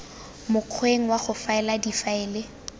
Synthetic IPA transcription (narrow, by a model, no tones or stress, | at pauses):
mʊq͡χʰweŋ̩waχʊfaɛladifaɛːle